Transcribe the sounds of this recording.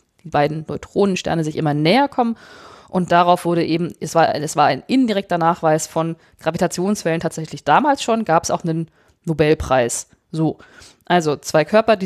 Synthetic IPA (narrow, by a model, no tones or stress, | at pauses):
d̥iːbaɪdn̩nɔ̰ʏtʁ̥oːnənʃtɛ̰ɐnəzɪçʔɪmɐnɛːɐkʰɔmənʔʊnt̚d̥aʁaʊfv̥ʊɐɾəʔeːbm̩ʔɛsv̥aːɐsv̥aːɐʔa̰ɪnʔɪndiʁɛk̚tɐnaːχv̥aɪsfɔn | ɡ̥ʁavitʰat͡sjoːnsfɛləntʰaːtz̥ɛçlɪçd̥aːmaːlsʃoːnɡaːpɛsa̰ʊxnənː | obɛlpʁ̥aɪs | zoː | ʔalzot͡sv̥aɪkʰœɐpɐdi